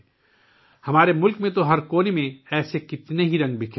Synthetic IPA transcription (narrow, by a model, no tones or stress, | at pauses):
hɐmaːɾemʊlkmẽt̪oɦɐɾkoːnemẽɛːsekɪt̪neɦiɾɐ̃ŋɡbʱɪkʰ